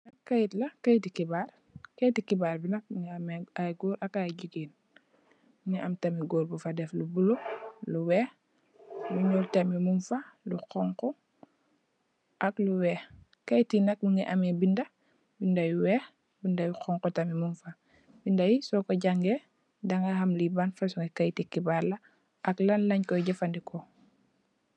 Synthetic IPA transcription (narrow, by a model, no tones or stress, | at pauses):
nɐkkːajitlɐkajtikibaːɾ | kajtikibaɾbinɐk̚miŋamɛaɡɔːɾʔakajɟuɡiːn | miŋɛʔamtamiɡɔːlbufadɛflubuloluwɛː | luɲɔːltamimumfaluqɔŋkɔ | ʔakluwɛː | kajtinɐk̚muŋɡɛʔamɛbindɐ | bindajuwɛː | bindajuxɔŋkɔtamimumfa | bindajisɔkoɟaŋɡɛ | daŋahamlibanfasuŋɡɛkajtikibaɾla | ʔɐklanlɐɲkɔjɟɐfandikɔ